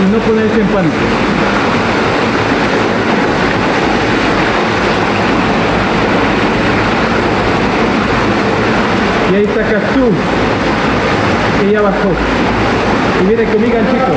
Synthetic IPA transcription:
inoponesempanik̪e | jaisakat̪u | kejaβaso | kiβenekomiɣant͡ʃiko

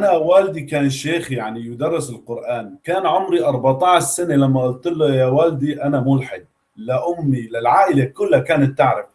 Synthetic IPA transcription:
ʔanawaːld̪ikaːnʃeːxjaʕnijʊd̪ɑrˤːɪsɪlqʊɾʔaːnkaːnʕʊmɾiʔɑɾˤbat̪ˤɑːʕʃsanelamːaʔʊlt̪ɪlːojaːwaːld̪iʔanamʊlħɪd̪̚ | laʔʊmːilɪlʕaːʔɪlakʊlːhakaːnat̪ːaʕɾɪf

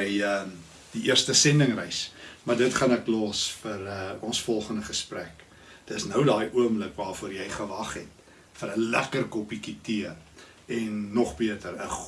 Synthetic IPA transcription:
jə | d̥iʔiərstəsɛndəŋrɛjsmɐrdətχɐnɛklɑːsfərəɔnsfɔlˠχəndəχəspræk | d̥əsnəwdɑːjʔuəmləkvɑːrfuəɾjɛjχəvɐχɛt | fəɾəlæ̰kərkɔpikitiər | ɛnːɔχbiətəɾə

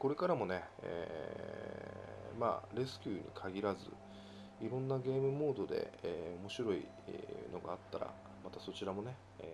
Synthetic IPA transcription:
ko̞ɾe̞kaɾamo̞ne̞ḛː | ma̰ːɾe̞sɨ̥kʲɨːɲ̟ḭkʰaɡʲiɾazɨ̰ | iɾõ̞nːaɡe̞ːmɯ̟mo̞ːd̪o̞d̪e̞̰eo̞mo̞ɕiɾo̞ḭ | no̞ɡaːt̪ːaɾa̰ | mat̪aso̞t͡ɕiɾamo̞ne̞

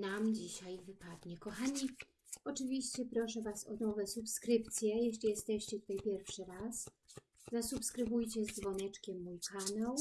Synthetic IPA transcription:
namd͡ʑiɕajvɘpad̪ɲɛkɔxaɲi | ɔt͡ʂɘvʲiɕt͡ɕɛpɾɔʂɛvasɔnɔvɛsupskɾɘp̚t̪sʲjɛjɛɕlʲijɛst̪ɛɕt͡ɕɛt̪u̥t̪ajpʲjɛɾfʂɘɾas | zasupskɾɘbujt͡ɕɛzd̪vɔnɛt͡ʂkʲɛmːujkanaw

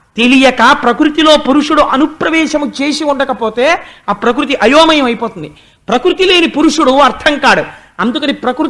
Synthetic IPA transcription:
t̪e̞lijɐkɐpɾɐkɾut̪ilo̞ːpuɾuʂuɽuʔɐnupɾɐʋɛːʂɐmut͡ʃe̞ːsiuɳɖɐkɐpo̞ːt̪e̞ːaːpɾɐk̬ɾut̪̬iʔɐjoːmɐjɐmɐjipoːt̪und̪i | pɾɐkɾut̪ile̞ːnipuɾuʂuɽuɐɾt̪ʰɐŋkaːɽu | ɐnd̪ukɐnipɾɐkɾu

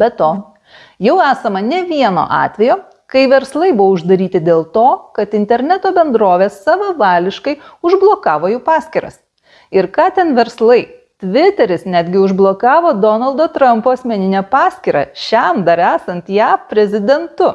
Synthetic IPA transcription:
bʲɛt̪oː | jɛʊæːsɐmɐnʲɛʋʲiɛno̰ːʔɑ̰ːt̪ʲʋʲɛjoː | kɐɪʋʲɛɾslˠɐɪbʊʋoʊʒd̪ɐɾʲiːt̪ʲɪd̪ʲeːlˠt̪oːkɐt̪ɪnʲt̪ʲɛɾʲnʲæt̪oːbʲɛnd̪ɾoːʋʲeːsːɑːʋʲɛʋɑːlʲɪʃkɐɪʊʒblˠoːkɑːʋoːjuːpɑːsʲkʲiɾɐ̰s | ɪɾkɑːt̪ʲɛnʋʲɛɾslˠɐɪ | t̪ʲʋʲɪt̪ʲɛɾʲɪsnʲæːd̪ʲɡʲɪʊʒblˠoːkɑːʋoːd̪oːnɐlˠd̪oːt̪ɾɐmpoːɐsʲmʲɛnʲɪnʲɛpɑːsʲkʲiːɾɑ̰ʃʲɛmd̪ɐɾæːsɐnt̪jæːpʲɾʲɛzʲɪd̪ʲɛnt̪ʊ

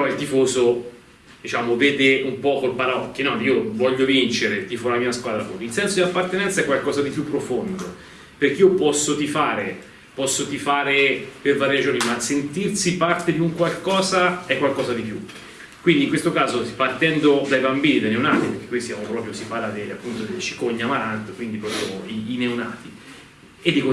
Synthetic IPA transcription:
peɾɔilt̪ifoːzo | d̪̥it͡ʃaːmovɛːd̪eumpɔkolpaɾaɔk̟ːenːɔniːovɔʎːovint͡ʃeɾet̪ifɔlamiːaskwaːd̪ɾako̰t̪ilsɛnsod̪ilapːart̪enɛnt̪saɛkːwalkɔːzad̪ipjupːɾofond̪o | perk̟eiːopɔsːot̪ifaːɾe | pɔsːot̪ifaːɾepervaːɾjed͡ʒoːnimasent̪irsipart̪ed̪iuŋkwalkɔːzaɛkːwalkɔːzad̪ipju | kwind̪iŋkwest̪okaːzo̥part̪ɛnd̪od̪ajbambiːnid̪ajneunaːt̪ipeɾk̟ekːisjaːmopɾɔpɾjosipaːrlːad̪ela̰pːunt̪od̪elet͡ʃi̥koɲːamaɾant̪kwind̪ipɾɔːpɾjoiːneuna̰ːt̪i | ed̪ːiko

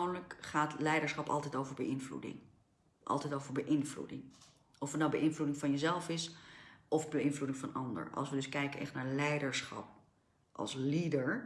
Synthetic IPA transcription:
wnləkχaːtlɛjdəɹsχɑpɑ̰lˠtɛjtowvəɹbəʔɪnvlṵdɪ̰ŋ | ʔɑ̰lˠtɛjtowvəɹbəʔɪnvlṵdɪŋ | ɔfətnawbəʔɪnvludɪŋvɑnjəzɛlˠfɪsʔɔfbəɪnvludɪŋvɑnɑndə̰ɹʔɑ̰lˠsʋədɵskɛjkənʔɛ̰χtnaːɹlɛjdəɹsχɑ̰p̚ | ʔɑ̰lˠslidəɹ

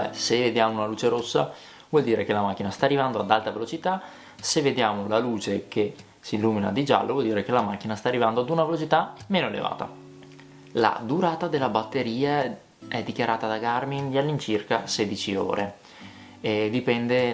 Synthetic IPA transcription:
ɛ̰seved̪jaːmounaluːt͡ʃeɾosːa̰ | vwɔld̪iːɾʔekelamak̟ːinast̪aːrːivand̪oad̪alt̪avelot͡ʃit̪a | sevːed̪jaːmolaluːt͡ʃeke | siːlːuːmina̰d̪id͡ʒa̰lːʔovwɔld̪iːɾekelamak̟ːinast̪aːrːivand̪oad̪unavelot͡ʃit̪ameːnoelḛva̰ːt̪a̰ | la̰d̪uɾaːt̪ad̪elːabat̪ːeɾiːa | ɛd̪ːikjaɾʔaːt̪ad̪aɡarmind̪ialːint͡ʃirkasɛd̪it͡ʃio̰ːɾʔe | ed̪ipɛnd̪e

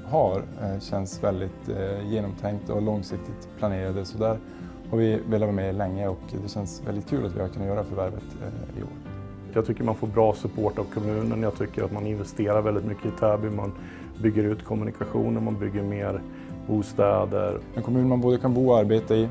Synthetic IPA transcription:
ɦaɾɕɛnsvɛld̪ɪt̪jeːnɔmt̪ʰɛŋkt̪ɔalɔŋsɪk̚t̪ʰɪt̪pʰlaneːɾad̪əsɔd̪æːɾ | haɾvɪveːlavɑːmɛlɛŋːəɔkd̪ɛɕɛnsvɛld̪ɪt̪̚kʰʉ̟ːlat̪vɪ̰haɾkʰɵnːajœːɾafœɾvæɾvə̰t̪ɪ̰o̰ːɾ | jɑɡt̪ʰʏkːəɾmanfoːɾbɾɑːsɵpʰoːʈavkʰɔmʉ̟ːnənjaɡt̪ʰʏkːəɾat̪manɪnvɛst̪eːɾaɾvɛld̪ɪt̪mʏkʰːəɪt̪ʰæːbɪman | bʏɡːəɾʉ̟ːt̪kʰɔmɵnɪkʰaɧṵːnəɾmanbʏɡːəɾmeːɾ | buːst̪ɛːd̪ə̰ɾɛnkʰɔmʉːnmanboːd̪əkʰanbuːɔaɾbeːt̪aɪ

